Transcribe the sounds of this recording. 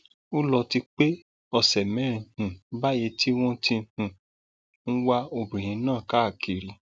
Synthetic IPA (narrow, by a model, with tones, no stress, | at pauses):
o˦lɔ˧ti˧k͡pe˦ | ɔ˧˨sɛ˨mɛ̃˨˦ɾ̃ĩ˧hũ˨˦ba˦je˧˦ti˦w̃ɔ̃˦tĩ˧hũ˨ | n̩˦wa˦o˧˨bũ˨j̃ĩ˨˧˦nãː˦˨ka˨˦a˦˨ki˨ɾi˨˦